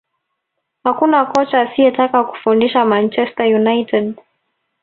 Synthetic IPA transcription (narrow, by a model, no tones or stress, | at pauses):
hakunakɔt͡ʃaːsiɛtakaku̥fundiʃamant͡ʃɛstajunajtɛd